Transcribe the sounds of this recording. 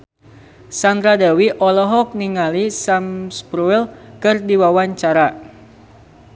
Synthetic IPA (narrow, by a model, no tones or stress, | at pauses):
sand̪ɾadɛwiʔɔlɔɦɔk̚niŋalisamspɾuilkɨrdiwawaɲt͡ʃaɾa